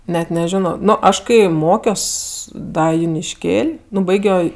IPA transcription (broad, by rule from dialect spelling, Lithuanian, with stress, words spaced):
ˈnʲɛt nʲɛˈʒʲɪnoː ˈnʊ ˈɐʃ kɐɪ ˈmoːkʲoːs ˈdɐ jʊnʲɪʃʲˈkʲeːlʲ ˈnʊ ˈbɐɪɡʲoː